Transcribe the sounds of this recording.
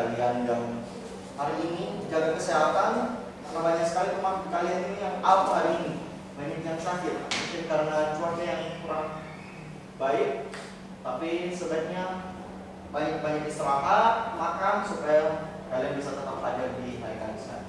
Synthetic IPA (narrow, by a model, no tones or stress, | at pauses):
aliandaŋ | haɾiːnidid͡ʒaɡankəsiaɦat̪an | kanabaɲak̚sə̥kalimemaŋkalianinijaŋaut̪ɦaɾiːni | bainit̪aŋsakɪt̪muŋkɪnkaɾənat͡ʃuat͡ʃajaŋkuɾaŋ | baɪk̚ | t̪apisəbət̪̚ɲa | baɲak̚baɲakist̪əɾaɦat̪̚makansupaja | kalianbisat̪ət̪aplad͡ʒardiɦaɾikalisəka̰lḭ